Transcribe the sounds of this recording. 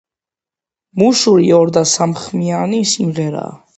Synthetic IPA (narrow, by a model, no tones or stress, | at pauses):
muʃuɾiɔɾd̪asamχmianisimʁɛɾa̰